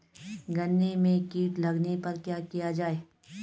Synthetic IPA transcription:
ɡɐnːemẽkiːʈlɐɡnepɐɾkjaːkijad͡ʒaːeː

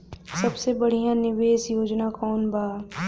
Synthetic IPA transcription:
sɐbsebɐɽ̤ijãnɪʋeːsjoːd͡ʒnakɔːnbʱaː

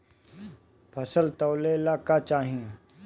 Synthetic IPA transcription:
pʰɐsəlt̪ɐwlelakat͡ʃaːɦĩẽ

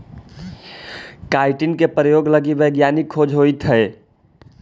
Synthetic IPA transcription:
kaɪʈinkepɾəjoɡləɡibəjɡjanikʰːod͡ʒʱɦoit̪ʰɦɛe

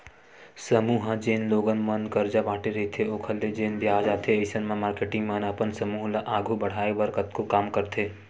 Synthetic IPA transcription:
səmuːɦd͡ʒeːnloːɡənmənkɐɾd͡ʒabaːʈeɾɐɦet̪ʰeoːkʰəld̪ed͡ʒeːnbjaːd͡ʒaːt̪ʰeəɪsənmãmaːɾkeːʈɪ̃ŋɡmɐnɐpənsɐmuːɦlaʔaːɡʱubɐɽ̤aːeʋəɾkət̪kokaːmkəɾt̪ʰeː

